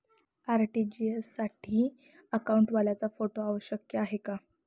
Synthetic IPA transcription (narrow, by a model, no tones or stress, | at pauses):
aɾʈid͡ʑiesːaʈʰiː | əkauɳʈʋaljat͡safoʈoaʋəɕjəkjəaɦeka